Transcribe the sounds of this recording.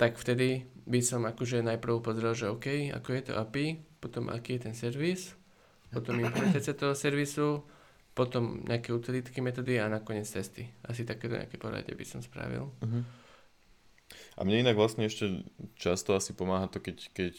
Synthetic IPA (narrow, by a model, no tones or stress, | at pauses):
t̪akft̪ɛd̪ibisɔmakɔʒɛnajpr̩ʊpɔzɾalˠʒɛɔkɛja̰kɔjɛt̪ɔ̰ʔapipɔt̪ɔmʔa̰kiːjɛt̪ɛnsɛɾʋis | pɔt̪ɔmimplɛmɛnt̪at͡sɪat̪ɔɦɔsɛɾʋisu | pɔt̪ɔmɲʔɛ̰akɛut̪ilit̪kɛmɛt̪ɔːd̪ianakɔɲɪɛt͡st̪ɛst̪iʔas̬it̪akɛːt̪ɔ̰ɲʔɛ̰a̰kɛpɔɾa̰ɟɛ̰bḭsɔmspɾa̰ʋḭlɦ | ʔa̰mɲɛinaɡʋlasɲɛɛʃcɛt͡ʃast̪ɔasipɔmaːɦat̪ɔkɛckɛc